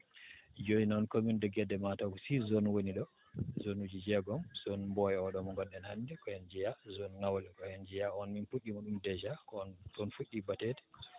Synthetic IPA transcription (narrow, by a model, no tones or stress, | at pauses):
d͡ʒoinɔnkomindɛɡɛdːɛmataɡusizɔnwoniɗɔ | zonud͡ʒid͡ʒɛɡɔmz̥ɔnmbɔjɛɔɗɔmɔŋɡɔnːɛnhandɛkɔhɛnd͡ʒijazɔnnawlɛkɔhɛnd͡ʒijaɔnminfuɗːimaɗumdɛd͡ʒakɔtɔnfuɗːibatɛtɛ̥